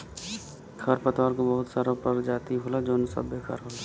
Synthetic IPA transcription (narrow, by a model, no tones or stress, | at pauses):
kʰɐɾpət̪ʋaːɾkobɐɦʊt̪saːɾapɐɾd͡ʒaːt̪iɦoːlad͡ʒoːnsɐ̰bːeːkʰa̰ɾɦoːla